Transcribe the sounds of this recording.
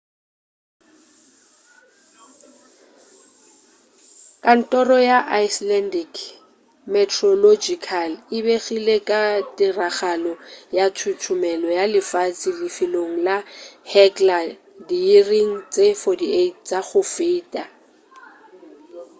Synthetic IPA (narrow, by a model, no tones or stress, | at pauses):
kʼan̩tʼɔrɔjaʔaislɛndik | mɛtʰrɔlod͡ʒikʰalɪbeɣilekʼatʼɪraχalɔjatʰutʰʊmɛlɔjalɪfat͡sʼilɪfɪloŋ̩lahɛkʼla | diiriŋ̩t͡sʼefɔtiet̚ʰt͡sʼaχʊfeitʼa